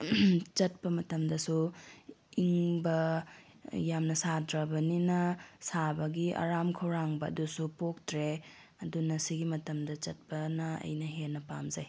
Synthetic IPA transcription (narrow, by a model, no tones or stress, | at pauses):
t͡ʃɐt̚pɐmɐtɐmdɐsu | iŋbɐ | jamnɐsadɾɐbɐninɐsabɐɡia̰ɾamkʰɐwɾaŋbɐɐ̰dusupok̚tɾe | ɐdunɐsiɡimɐtɐmdɐt͡ʃɐt̚pɐnɐɐ̰jnɐɦenɐpamzaj